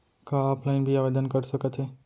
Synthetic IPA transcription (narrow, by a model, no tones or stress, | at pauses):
kaaːpʰlaːɪnbʱiaːʋeːd̪ənkəɾsəkət̪ʰɦeː